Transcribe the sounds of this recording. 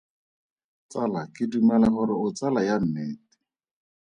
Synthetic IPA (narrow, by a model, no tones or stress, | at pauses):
t͡salakɪdumalaχʊɾɪʊt͡salajam̩mɛːtɪ̥